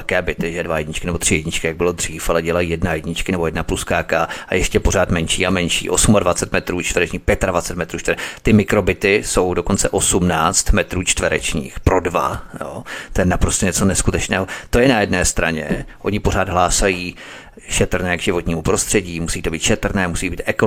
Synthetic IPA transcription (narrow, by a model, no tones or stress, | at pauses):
kɛːbɪt̪ɪʒɛdvajɛɟɲɪt͡ʃkɪnɛbo̞t̪r̝̥ɪjɛɟɲɪt͡ʃkɪjaɡ̚bɪlo̞d̪r̝̥iːfalɛɟɛlajiːjɛdnajɛɟɲɪt͡ʃkɪnɛbojɛdnapluskaːkaa̰jɛʃcɛpo̞ɾ̝aːt̪mɛnʃiːamɛnʃḭːʔosumadvat͡sɛt̪mɛt̪ɾuːt͡ʃt̪vɾɛt͡ʃɲiːxpjɛt̪advat͡sɛt̪mɛt̪ɾuːt͡ʃt̪vt̪ɪmɪkɾo̞bɪt̪ɪso̞wdoko̞nt͡sɛʔo̞sumnaːt͡st̪mɛt̪ɾuːt͡ʃt̪vɛɾɛ̰t͡ʃɲḭːxpɾo̞dva̰jo̰t̪ojɛnapɾost̪ɛɲɛt͡so̞nɛskut̪ɛt͡ʃnɛ̰ːɦo̞t̪o̞jɛnajɛdnɛːst̪ɾaɲɛ̰ʔo̞ɲɪpo̞ɾ̝aːd̪ɦlaːsajiː | ʃɛt̪rnɛːɡʒɪvo̞t̪ɲiːmupɾo̞st̪r̥ɛɟiːmusiːt̪o̞biːt̪ʃɛt̪r̩nɛːmusiːbiːt̪ʔɛko